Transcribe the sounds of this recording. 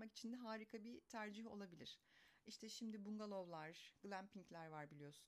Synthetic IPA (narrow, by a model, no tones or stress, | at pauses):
maki̥t͡ʃʰind̪ɛɦaːɾikʰabit̪ʰæɾd͡ʒiɦo̞̰lˠabilʲḭɾ̥iʃt̪ʰɛʃimd̪ibuŋɡalˠo̞vlˠaɾɡɯlʲˠæmpʰiŋclʲæɾvaɾbilʲijo̞sun